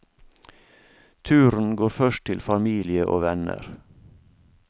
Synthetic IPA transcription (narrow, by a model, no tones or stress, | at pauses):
t̪ʰʉːɾn̩ɡoːɾfœʃtt̪ʰɪlfɑmiːlɪəʔo̰ːʋɛnə̰ɾ